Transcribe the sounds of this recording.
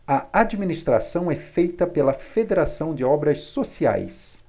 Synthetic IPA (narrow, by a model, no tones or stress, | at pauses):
ɐad͡ʒiminist̪ɾa̰sɐ̃w̃ɛfejt̪ɐpelɐfed̪eɾasɐ̃w̃d͡ʒɪɔbɾɐsːosia̰js